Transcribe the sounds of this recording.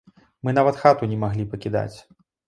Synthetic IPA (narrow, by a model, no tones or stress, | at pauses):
mɨn̪avɐt̪xat̪unʲɛmaɣlʲipɐkʲid̪a̰t͡sʲ